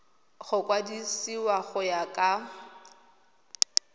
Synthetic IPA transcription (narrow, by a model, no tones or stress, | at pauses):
ɣʊkʼwadisiwaɣʊjakʼa